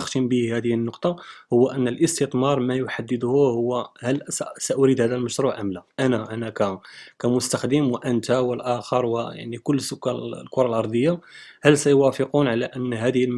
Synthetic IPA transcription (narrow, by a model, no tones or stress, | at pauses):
əxt̪əmbihæd̪əhənːoqt̪ˤɑhʊwːæʔənːəlʔəst̪ət̪ˤmɑɾˤmæjʊħad̪ːəd̪hʊhʊwːhælsæʔʊɾid̪hæd̪ælməʃɾˤuʕʔəmlæʔænæʔænakækæmʊst̪axd̪əmwəʔənt̪awəlʔæxəɾˤwəja̰ʕnikʊlːsʊkːæl̰lkʊɾˤɑlʔɑɾˤd̪ˤəjːahælsæjwæfəqunʕalæʔənːɦæd̪əhl